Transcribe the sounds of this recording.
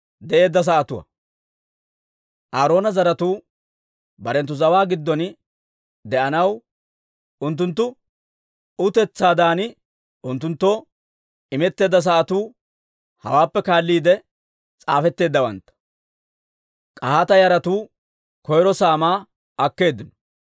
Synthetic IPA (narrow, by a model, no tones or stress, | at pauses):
d̪ɛʔe̞ːd̪ːɐs̬ɐːʔɐt̪ʊwɐ̰ | ʔaːɾo̞ːnɐzɐɾɐt̪uː | bɐɾɛnt̪ːʊzɐwaːɡɪd̪ːɔn | d̪ɛʔɐnɐw | ʊnt̪̬ːʊnt̪ːʊ | ʊt̪ɛt͡sːaːd̪aːnɪ | ʊnt̪ːʊnt̪ːoː | ɪmɛt̪ːe̞ːd̪ːɐs̬ɐʔɐt̪uː | hɐ̰waːpːɛkaːlːiːd̪ɛ | t͡sʼaːfɛt̪ːe̞ːd̪ːɐwɐ̰nt̪ːɐ̥ | kʼɐat̪ɐjɐɾɐt̪uː | kɔjɾɔsaːmaː | ɐkːe̞ːd̪ːɪnɔ̥